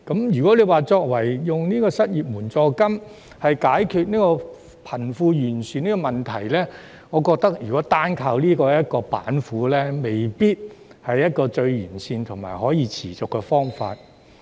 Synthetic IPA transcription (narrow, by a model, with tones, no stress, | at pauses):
kɐ˨˥mjyː˨kɔː˨˥le˨˧jwaː˨t͡sɔː˧k̚wɐ˨˩jjʊ˨ŋniː˥kɔː˧sɐ˥t̚jiː˨p̚muː˨˩nt͡sɔː˧kɐ˥m | hɐ˨jkaː˨˥jkʰyː˧t̚niː˥kɔː˧ | pʰɐ˨˩nfuː˧jyː˨˩nsyː˨niː˥kɔ˧mɐ˨nt̪ʰɐ˨˩jlɛː˥ | ŋɔː˨˧kɔː˧k̚t̪ɐ˥k̚jyː˨˩kɔː˨˥t̪aː˥nkʰaː˧wliː˥kɔː˧jɐ˥t̚kɔː˧pa̰ː˨˥nfuː˨˥lɛː˥me˨jpiː˥t̚hɐ˨jːɐ˥t̚kɔː˧t͡ʃɵ˧ɥjyː˨˩nsiː˧nt̪ʰʊ˨˩ŋma̰ː˨˩jɦɔː˨˥jiː˨˧t͡sʰiː˨˩t͡sʊ˨kːɛ˧fɔː˥ŋfa̰ː˧t̚